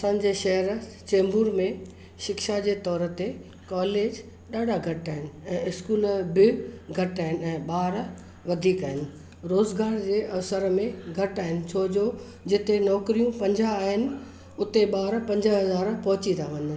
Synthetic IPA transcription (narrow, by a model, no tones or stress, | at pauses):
ɐsãːn̆d͡ʑeːʃɐɦəɾ | t͡ɕeːmbuːɾmẽ | ʃɪkʃad͡ʑeːt̪ɔːɾə̆t̪e | kɔːleːd͡ʑ | ɗaːɖʱaɡʱɐʈaːɦɪnɪ̆ɛ̃ːɪskuːlbɪɡʱɐʈaːɦɪnɪ̆ɛ̃ːɓaːɾ | ʋɐd̪ʱiːkaːɦɪnɪ̆ | ɾoːzɡaːɾd͡ʑeːʔɐʋsəɾmẽɡʱɐʈaːɦɪnɪ̆t͡ɕʰoːd͡ʑoː | d͡ʑɪt̪enɔːkɾijũpɐ̃ɲd͡ʑaːɦɪnɪ̆ | ʊt̪eɓaːɾpɐ̃ɲd͡ʑəɦɐzaːɾpɐɦʊt͡ɕit̪ʰaʋɐɲən